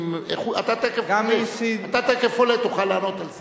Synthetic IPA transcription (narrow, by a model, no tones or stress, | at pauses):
meχuat̪at̪ekefɡalesiat̪at̪ekefolet̪uχalːaːnot̪als